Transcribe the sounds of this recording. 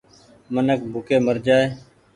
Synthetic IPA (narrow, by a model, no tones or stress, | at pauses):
mənək̚bʱʊkeːməɾd͡ʒaːeː